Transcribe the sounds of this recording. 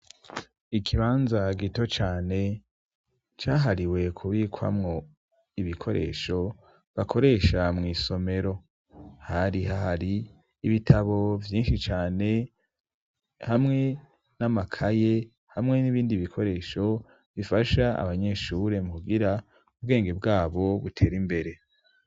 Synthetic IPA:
ikʰiβaːnzaɡito̞t͡ʃaːne̞ | t͡ʃaːɦaɾiwe̞kʰuβiːkʰwa̰mŋo̞ | iβikʰo̞ɾḛːʃo̞ | βakʰo̞ɾe̞ːʃamŋiːso̞me̞ɾo̞ | haɾihaɦaɾiː | βitʰaβo̞vjiːnʃit͡ʃaːne̞ | hamŋe̞ | namakʰaje̞ | hamŋe̞niβiːndiβikʰo̞ɾe̞ːʃo̞ | βifaʃaa̰βaɲe̞ʃuɾe̞muuɡiɾa | ubɡe̞ːŋɡe̞b̚ɡaːβo̞βutʰe̞ːɾimbe̞ɾe̞

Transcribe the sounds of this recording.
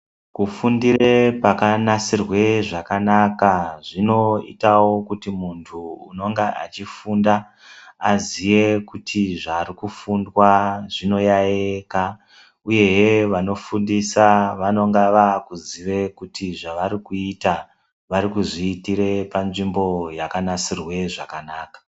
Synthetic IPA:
kufundire̞pakanasirwe̞ʐakanakaʐino̞ḭtawo̞kutimuntʰuːno̞ŋɡeʔa̰t͡ʃifunda | azije̞kutʰiʐaːɾikufundwaʐ̥ino̞jaeka | uje̞ɦeʋano̞fundisaʋano̞ŋɡaʋakuziʋe̞kutʰiʐaʋaɾikuita | ʋaɾikuʐiːtiɾe̞panʐimbo̞jakanasirwe̞ʐakanaːkḁ

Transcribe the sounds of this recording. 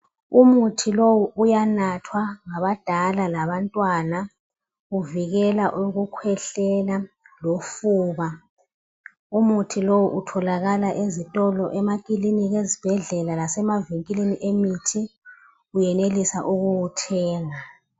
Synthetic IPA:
umutʰilowuʔujanatʰwaŋaβad̥ʱalalaβantʼwana | uviɣɛlaʔuɣukʰwɛɬɛla | lofuːβa | umutʰilowuʔutʰɔlaɣalaʔezitʼɔlɔʔɛmakʼiliniɣezib̥ʱɛɮɛlalasɛmaviŋkʼileniʔemitʰi | ujɛnelisaʔuɣuwutʰɛːŋa

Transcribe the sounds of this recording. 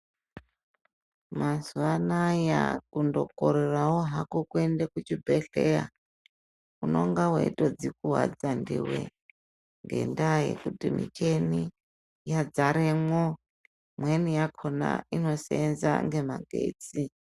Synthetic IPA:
masuanaja̰kundokoɾerawoɦakokuendekut͡ʃibʱeɬeja | unoŋɡawḛitʼod͡zikuɦwa̰d͡zandiwe | ŋɡe̞̰ndaje̞̰kutimit͡ʃeni | jad͡zaɾemwo | mwenijakʰona̰ino̞seenza̰ŋɡe̞maɡʱḛt͡si

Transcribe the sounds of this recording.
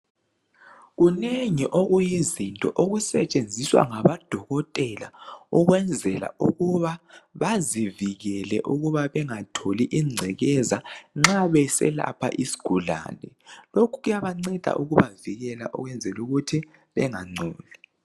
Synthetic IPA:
ɣuneŋiʔoɣujizintʼɔʔoɣusɛt͡ʃʼend͡zʱiswa̰ŋaβad̥ʱɔɣɔtʼɛla̰uɣwɛnd͡zʱɛla̰ṵɣuβaβaziviɣɛlɛ̰ʔuɣuβaβɛŋatʰoliʔiŋ͡ǀʱɛɣɛzaŋ͡ǁaβɛsɛ̰la̰pʰa̰ʔisi̥ɡ̥ʱula̰ːnɛ̰ | lokʰuɣujaβaŋ͡ǀɛd̥ʱa̰ʔuɣuβaviɣɛla̰ʔṵɣwɛnd͡zʱɛluɣutʰi | βɛŋaŋ͡ǀʱɔːli

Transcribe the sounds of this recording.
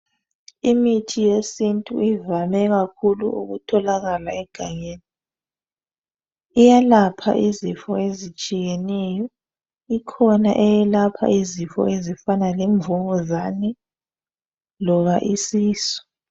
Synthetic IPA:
imitʰijesintʼṵivamɛɣakʰulṵṵɣṵtʰɔlaɣalaɛɡ̥ʱaɲeːni | ijalapʰa̰ʔizifɔezit͡ʃʼijenɛjɔ | ikʰɔna̰ʔɛjɛlapʰa̰ʔizifɔ̰ʔezifanalɛɱvuŋɔzanɛ | lɔɣaʔisiːsɔ̥

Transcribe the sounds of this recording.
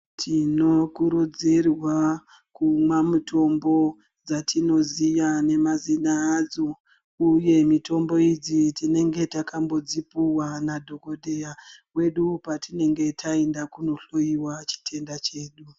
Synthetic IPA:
tʰino̞kuɾud͡zirwa | kumwamuto̞mbo̞ | d͡zatʰino̞ziʋane̞mazinaːd͡zo | uje̞mito̞mbo̞id͡zitine̞ŋɡe̞takambo̞d͡zipuwanadʱo̞ko̞dʱe̞jawe̞ɗupatine̞ŋɡe̞tʰaendakuno̞ɬo̞iwat͡ʃi̥tʰe̞ndat͡ʃe̞ːɗu

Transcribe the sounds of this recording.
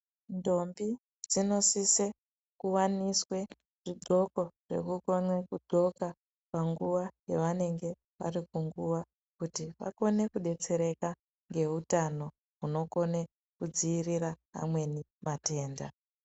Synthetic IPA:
ndo̞mbi | d͡zino̞sise | kuwaniswe̞ | ʐ̥iɡo̞ko̞ʐ̥e̞̰kuko̞nwekudʱo̞ka | paŋɡuʋajeʋane̞ŋɡe̞ | ʋa̰rikuŋɡuʋa | kutiʋa̰ko̞ne̞kuɗe̞t͡se̞ɾe̞ka | ŋɡe̞ɦutano̞ | ɦuno̞ko̞ne | kud͡ziːriraɦa̰mwe̞ni | mate̞ːnda̰

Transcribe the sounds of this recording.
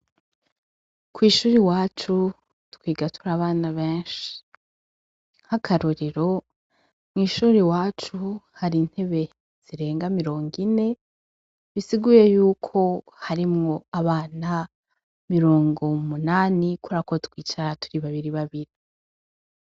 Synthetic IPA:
kwiːʃuːɾiwaːt͡ʃu | tu̥kwiːɡatʰuɾaːβaːnaβeːnʃi̥ | hakʰaɾoɾeɾo̞ | mŋiːʃuːɾiwaːt͡ʃuhaɾin̥he̞βe̞ | z̥iɾe̞ːŋɡamiɾo̞ːŋɡine̞ | βisiɡuje̞juːkʰo̞ | haɾimŋo̞aβaːna | miɾo̞ːŋɡo̞munaːnikuɾakotkwiːt͡ʃaɾatuɾiβaβiɾiβaβiɾi

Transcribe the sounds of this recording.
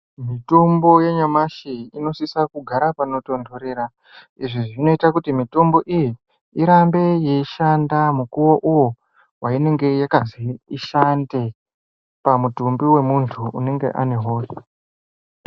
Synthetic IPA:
mitombo̞je̞ɲamaʃiino̞sisakuɡʱaɾapano̞to̞ndo̞ɾeɾa | iʐiʐino̞itakutimito̞mbo̞ʔijiː | ɾambe̞jeiʃandamukuwo̞ʔuwo̞ | waine̞ŋɡe̞jakaziiʃande | pamutumbiwe̞muntʰṵːne̞ŋɡe̞̰ʔa̰ne̞ɦoːro

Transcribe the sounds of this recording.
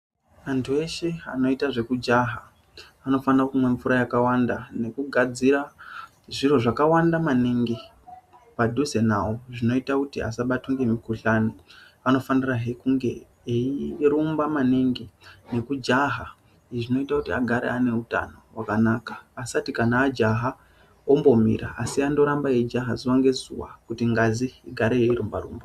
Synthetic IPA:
antʰue̞ʃe̞a̰no̞itaʐe̞kud͡ʒaɦaː | no̞fanrakumwe̞ɱfuɾajakawandane̞kuɡʱad͡ziɾa | ʐiro̞ʐakawandamaneŋɡe | padʱuze̞na̰woʐino̞itakutia̰saɓatuŋɡe̞mikuɬano | ano̞faniraɦekuŋɡe̞ | eiɾumbamaneŋɡene̞kud͡ʒaɦa | iʐino̞itakutia̰ɡʱaɾḛane̞uta̰nowakanakḁːsatikanaːd͡ʒaɦa | ombo̞mḭɾa̰ːsiando̞ɾambajed͡ʒaɦa̰ziwaŋɡe̞zṵwa̰kutiŋɡaziːɡʱaɾeeiɾumba̰rṵːmba

